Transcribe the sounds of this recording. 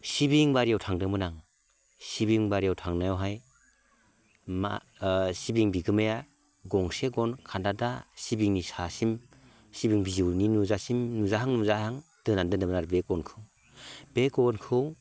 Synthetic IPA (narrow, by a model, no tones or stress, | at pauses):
sibiŋbaɾijawtʰaŋdɯmɯnaŋ | sibiŋbaɾijawtʰaŋnajawɦaj | ma̰ | sibiŋbiɡɯmaja | ɡɔŋseɡɔnkʰandadasibiŋnisasim | sibiŋbiziwninuzasimnuzaɦaŋnuzahaŋd̥ɯnandɯndɯmnaɾbekɔnkʰɯw | b̥ekɔnkʰɯw